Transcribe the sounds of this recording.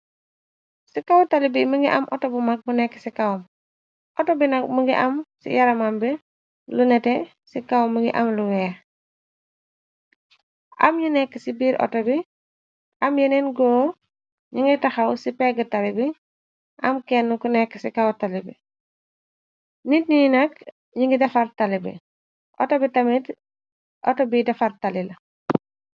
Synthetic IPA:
sikawutalibiməŋɡiʔɐ̰mʔɔ̰tɔbumɐk̚bunɛkːə̥sikawum | ʔɔtɔbinɐk̚muŋɡḭʔɐmsḭjɐɾɐmambi | lunɛtɛ | sikawmːəŋɡḭʔɐ̰mluwɛː | ʔɐ̰mɲunɛkːisibiːɾʔɔ̰tɔbi | ʔɐmjɐnɛnɡɔː | ɲuŋɡitɐxɐwsipɛɡətɐlibi | ʔɐmkɛnːukunɛkːəsikɐwtɐlibḭ | nit̚nijnɐk | ɲuŋɡidɐfɐɾtɐlibḭ | ʔɔ̰tɔbitɐmit | ʔɔ̰tɔbidɐfɐrtɐlilɐ

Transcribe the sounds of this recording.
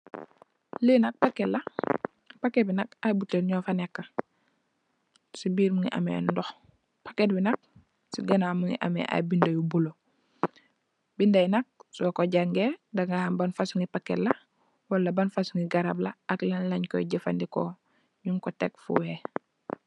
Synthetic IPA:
lənɐk̚pɐkːɛlɐ | pɐkːɛbinɐk̚ajbutːəlɲɔfɐnɛkːɐ | sibiːɾmuŋiʔɐ̰mɛ̰dɔx | pɐkːɛt̚binɐk̚ | siɡɐnaːmuŋḭʔɐ̰mɛ̰ʔa̰jbindɐjubulo | bindɐjnɐk̚sɔkɔɟaŋɡɛːdɐŋɡahɐmbɐnfasuŋɡipakːɛlɐ | wɐlːɐbɐnfasuŋɡiɡɐɾablɐɐklɐnlɐɲkɔ̰ɟəfa̰ndikɔ | ɲuŋkɔtɛk̚fṵwɛ

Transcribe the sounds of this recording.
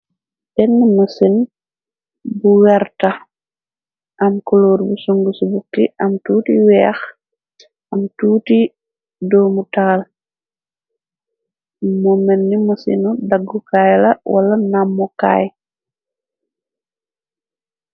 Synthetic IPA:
bɛnːimusin | buwɛɾtɐ | ʔɐmkɔloːɾbusuŋɡusubukːiʔɐmtuːtiwɛːx | ʔɐmtuːti | dɔːmutaːl | mɔmɛnːimusḭnudaɡːukajlɐwʔɐ̰lɐnamːɔka̰j

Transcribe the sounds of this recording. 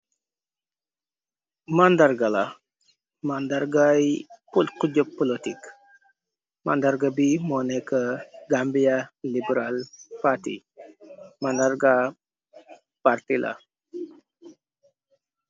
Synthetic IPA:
mand̪aɾɡala | mand̪aɾɡajpulqud͡ʒopːɔlot̪ik | ma̰nd̪aɾɡabimonekəɡambijalibəɾalpat̪ḭ | mand̪aɾɡa | paɾt̪ilʔa̰

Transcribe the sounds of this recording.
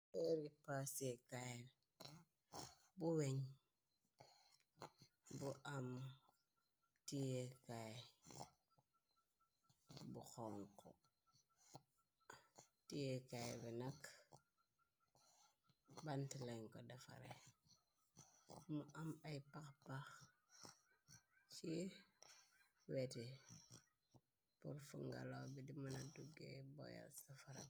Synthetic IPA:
eɾipasekaje | buweɲ | buʔam | tijekaj | buxɔŋkɔ̰ | tijekajɛbinak | bantilaŋkɔdafa̰ɾḛ | muʔamajpaxpax | t͡ʃi | weti | puɾfṵŋɡa̰lobidimanaduɡḛbo̰ja̰lsafaɾa̰

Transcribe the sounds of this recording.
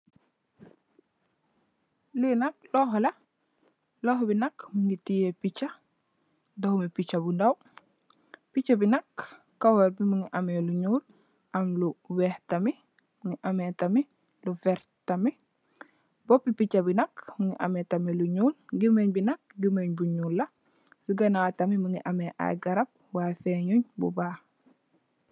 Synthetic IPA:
linak̚lɔːɦɔla | lɔːxɔbinakmuŋitijepit͡ʃa | dohumipit͡ʃabundaw | pit͡ʃːabinakː | awaɾbimuŋiʔameluɲuːl | ʔamluwɛhtami | muŋiʔɐmetɐmi | lufɛɾ | tɐmi | bɔpːipit͡ʃːɐbinɐkmuŋiʔɐ̰metɐmiluɲuːlɡimeɲbinɐk̚ɡimeɲbuɲuːlːɐ | siɡɐnatɐmimuŋiʔɐmeʔa̰jɡɐɾɐb̚wafeɲuɲbṵbaːh

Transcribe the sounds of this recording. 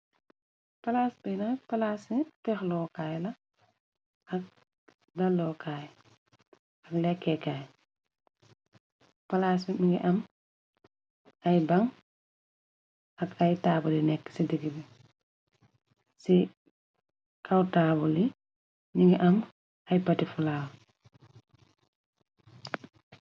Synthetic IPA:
pɐlaːsbɛnɐpɐlaːsitɛxlɔːkaːjlɐ | ʔɐk̚ | dɐlːɔːkaːj | ɐklɛkːɛkːaːj | pɐlasimiŋɡɛʔɐm | ajbaŋ | akajtaːbulinɛkːə̥sidəɡibi | si | kʰawtaːbuli | niŋɡɛʔɐm | ɐjpatifalaːw

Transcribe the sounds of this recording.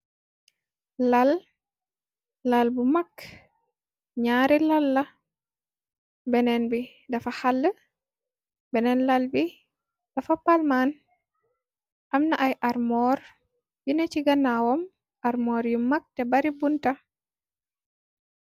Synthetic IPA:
lal | lalbumak | ɲaːɾilalːa | bɛnɛnbi | dɐfahalːə | bɛnɛnlalbi | d̥ɐfapalman | ʔamnaʔajʔaɾmɔːɾ | junɛt͡ʃiɡanawɔm | ʔaɾmɔːɾjumak̚tɛbaɾibunta

